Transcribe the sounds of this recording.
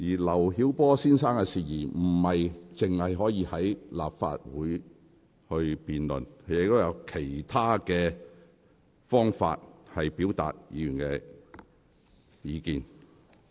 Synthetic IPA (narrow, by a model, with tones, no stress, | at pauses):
jiː˨˩lɐ˨˩wɦiː˨˥wpɔː˥siː˥nsaː˥ŋkɛ˧siː˨jiː˨˩m̩˨˩hɐ˨jt͡sɪ˨ŋhɐ˨jɦɔː˨˥jiː˧hɐ˨˥jla̰ː˨p̚fa̰ː˧t̚wuː˨˥j | hɵ˧ɥpiː˨nlɵ̰˨˩n˨jɪ˨k̚t̪o˥jɐ˨˧wkʰe˨˩jt̪ʰaː˥kɛː˧ | fɔː˥ŋfa̰ː˧t̚hɐ˨jpi˨˥wt̪a̰ː˨t̚jḭː˨˧jy˨˩nkɛː˧ | jiː˨˧kiː˨n